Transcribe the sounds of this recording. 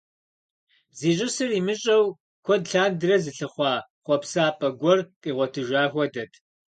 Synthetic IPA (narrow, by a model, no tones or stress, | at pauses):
ziːɕʼɪsɨrimɨɕʼɐw | kʷʰɔdɬaːndɨrɐzɨɬɨχʷɑːχʷɔpsaːpʼɐɡʷɔrqʼiːʁʷɔtʰɨʒaːxʷɔdɐtʰ